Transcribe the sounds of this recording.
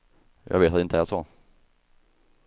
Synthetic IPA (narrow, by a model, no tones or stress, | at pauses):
jɑ̰ːɡveːt̪at̪ɪnt̪əæʂɔ